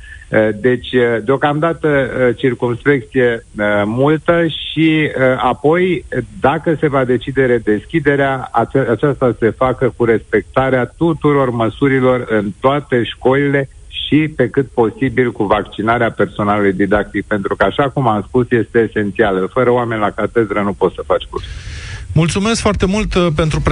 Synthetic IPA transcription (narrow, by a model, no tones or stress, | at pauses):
əd̪e̞t͡ʃʲd̪eo̞kamd̪at̪ət͡ʃirkumspek̚t̪sije̞əmult̪əʃiapo̞jd̪akəse̞vad̪e̞t͡ʃid̪e̞ɾed̪e̞skʲid̪e̞ɾeaat͡ʃat͡ʃast̪ase̞fakəkuɾe̞spe̞k̚t̪aɾeat̪ut̪uɾo̞rməsuɾilo̞rɨnt̪oat̪e̞ʃko̞lile̞ | ʃipe̞kɨt̪̚po̞sibilkuvakt͡ʃinaɾeape̞rso̞nalulujd̪id̪ak̚t̪ik̚pe̞n̪t̪ɾukəaʃakumamspusje̞st̪e̞ːse̞nt̪sialəfəɾəoame̞nʲlakat̪e̞d̪ɾənupo̞t̪səfat͡ʃʲkṵrsimult̪sumeskfoart̪e̞mult̪pe̞nt̪ɾup